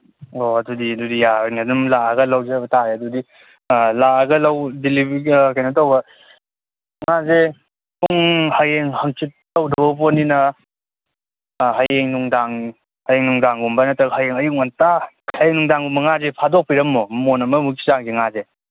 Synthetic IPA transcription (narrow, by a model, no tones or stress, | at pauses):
oɐdudiɐdudijajnadumlaaɡɐlawzebɐtaɾeɐdudi | laɡɐlɐwdilibikajnɐtawbɐ | ŋaze | puŋhajeŋhɐŋt͡ʃʰit̚ːawdɐbɐboninɐ | ɦajeŋnuŋdaŋ | hajeŋnuŋdaŋɡumbanɐtɐkhajeŋɐjuk̚ŋantakʰajeŋnuŋdaŋɡumɐŋazepʰadok̚piɾɐmːomonɐmɐmukʰizaŋɡiŋaze